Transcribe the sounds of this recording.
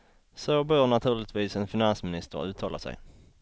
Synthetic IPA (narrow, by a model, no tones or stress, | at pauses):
sobøːɾɳat̪ʰʉ̟ːɭɪt̪viːsɛnfɪnansmɪnɪst̪ə̰ɾʉ̟ːt̪ʰːɑːla̰sɛ̰j